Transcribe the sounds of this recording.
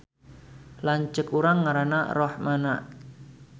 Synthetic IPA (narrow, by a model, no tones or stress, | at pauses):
laɲt͡ʃəkuɾaŋːaɾanarɔhmanaʔ